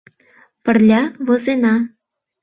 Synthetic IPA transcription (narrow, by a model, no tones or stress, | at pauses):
pə̆rlʲɑβozenɑ